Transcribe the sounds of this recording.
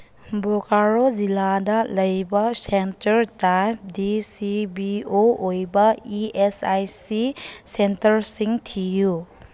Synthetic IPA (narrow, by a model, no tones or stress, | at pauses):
bokaɾoziladɐlɐjbɐsentɐɾtap̚disibioojbɐiesajsisentɐɾsiŋtʰiju